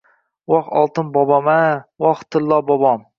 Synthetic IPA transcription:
wɑχɑ̰lˠt̪ɨnbɑbɑmɛwɑχt̪ʰɨlːɑbɑbɑm

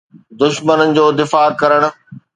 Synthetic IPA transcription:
d̪ʊʃmənənɪ̆d͡ʑoːd̪ɪfaːkɐɾəɽ̃ʊ̆

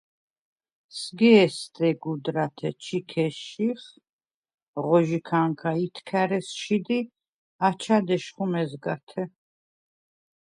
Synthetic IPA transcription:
sɡɛːst̪ʼɛɡud̪ɾat̪ʰɛt͡ʃʰikʰɛʃiχ | ʁɔʒikʰaŋkʰait̪ʰkʰæɾɛsʃid̪i | at͡ʃʰad̪ɛʃχumɛzɡat̪ʰɛ

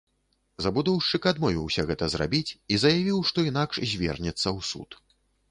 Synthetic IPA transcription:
zɐbud̪ɔwʂt͡ʂɨkad̪mɔvʲiwsʲɐɣɛt̪ɐzra̰bʲit͡sʲizɐjavʲiwʂt̪ɔinakʂzʲvʲɛ̰rnʲɛt̪sːɐwsṵt̪

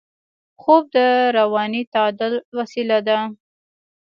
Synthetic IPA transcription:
xob̚d̪əɾawɑnit̪ɑd̪alwasilad̪a

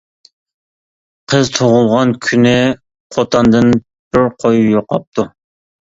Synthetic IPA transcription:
qʰəzt̪ʰoʁʊlˠʁɑnkʲʰynɪ | qʰot̪ʰɑnd̪ɨn | b̥ɪɾqʰojujoqɑp̚t̪ʰu

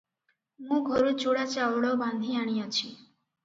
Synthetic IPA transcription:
mũɡʱoɾut͡ʃuɽat͡ʃawɽɔband̪ʱiaɽ̃ijat͡ʃʰi

